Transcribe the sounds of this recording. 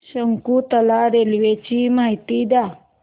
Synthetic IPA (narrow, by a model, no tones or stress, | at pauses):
səŋkut̪ɐlaɾelwet͡ʃimajt̪id̪a